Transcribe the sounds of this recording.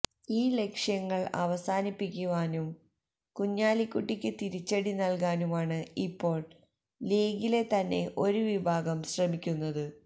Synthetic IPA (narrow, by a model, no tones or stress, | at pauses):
iːle̞kʂjɐŋːɐɭɐ̰ʋɐsaːnipːikʲːuʋaːnum | kuɲːaːlikːuʈːikʲːɨt̪iɾit͡ɕːɐɽinɐlk̬aːnumaːɳɨipːo̞ːɭ | leːɡile̞t̪ɐnːe̞ʔo̞ɾuʋibʱaːɡɐmɕrɐmikʲːunːɐðɨ